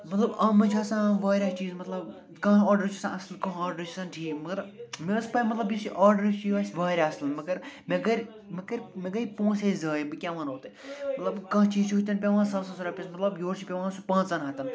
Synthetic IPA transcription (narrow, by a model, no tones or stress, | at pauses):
mɐt̪lɐbɐmɐt͡ʃʰaːsãːʋaːɾʲat͡ʃiːzmɐt̪lɐb | kɐ̃ːaːɾɖəɾt͡ʃʰusãɐslkɐ̃ɦaːɾɖɐɾt͡ʃʰisãːnʈʰiːmɐɡɐɾmespɐimɐt̪lɐbjisiʔaːɾɖəɾt͡ʃʰiʋaːsʲʋaːɾʲaɐslmɐɡɐɾmeɡɐɾʲ | mɐkɐɾʲmeɡɐipõːsʰezɐːjibɨkʲãːʋaːnoːt̪ɨmɐt̪lɐbkɐ̃ːɦt͡ʃiːzt͡ʃʰiɦut̪ɐnpʲeʋãːnsɐsɐ̃suɾɐpʲɐsmɐt̪lɐbjoːɾt͡ʃʰipʲeʋãːnsupãːt͡sɐːnɦɐt̪ɐn